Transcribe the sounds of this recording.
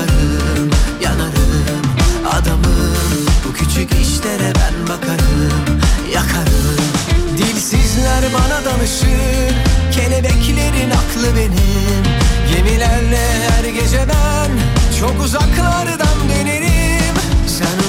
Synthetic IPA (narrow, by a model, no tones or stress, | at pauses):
ɾɯmjanaɾɯɯma̰d̪amɯmbucʰyt͡ʃʰyciʃlʲeɾɛbæ̰nbakʰaɾɯmjakʰaɾɯmd̪ilʲsizlʲæɾmanad̪anɯʃɯmcʰe̞lʲebɛcʰlʲe̞ɾinakʰlˠɯbe̞nimje̞milʲæɾlɛ | hæɾɟe̞d͡ʒed̪æ | nt͡ʃʰo̞kuzaklˠaɾɯd̪anbeɾeɾimsæn